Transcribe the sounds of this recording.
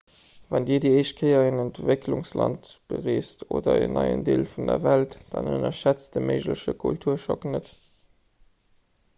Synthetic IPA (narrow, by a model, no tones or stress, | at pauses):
vɑndiːɐdiːəɪʃt̚kʰəɪɐenəntv̥ekʰluŋslɑntb̥əʁeːstʰoːdɐḛnʔɑɪə̰ndeːlfundɐvæltd̥ɑnənɐʃæt͡st̚d̥əməɪʒləʃəkʰṵltʰuːɐʃɔknət